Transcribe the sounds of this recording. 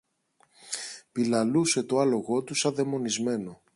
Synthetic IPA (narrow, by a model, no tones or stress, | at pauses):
pilɐluse̞t̪o̞ɐlo̞ɣo̞t̪usɐðe̞mo̞nizme̞no̞